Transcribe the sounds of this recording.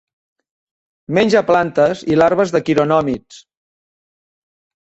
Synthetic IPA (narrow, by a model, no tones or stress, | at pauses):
menʲʒəplant̪əzilaɾβəzðəkiɾonɔmit͡s